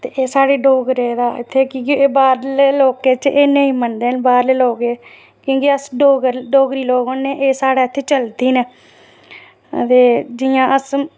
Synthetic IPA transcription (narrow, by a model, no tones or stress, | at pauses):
t̪eːʔeːsaːɽeːɖoːɡɾeːd̪aːɪt̪ʰːeːkĩːkːeːbaːɾleloːkeːt͡ʃʔeːneĩːmənd̪eːnbaːɾleːloːɡeː | kjõːkiəsɖoːɡəɾɖoːɡɾiːloːɡoːnːeːʔeːsaːɽaːɪt̪ʰːeːt͡ʃəlt̪iːneː | t̪eːd͡ʒɪjãːʔəs